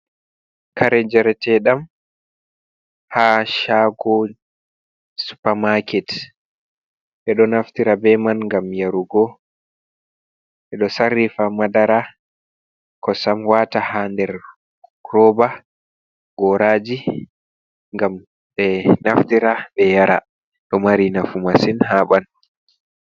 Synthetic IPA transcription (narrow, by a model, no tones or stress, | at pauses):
kʰaɾɛd͡ʒɛɾtɛɗam | haʃaːɡɔ | su̥pamakɛt | ɓɛɗɔnaftiɾabɛmanŋɡamjaɾuɡɔ | ɓɛɗɔsarːifamadaɾa | kɔsamwatahandɛɾ | ɾɔba | ɡɔɾad͡ʒi | ŋɡam | ɓɛnaftiɾaɓɛjaɾa̰ | ɗɔmaɾinafumasinhaɓan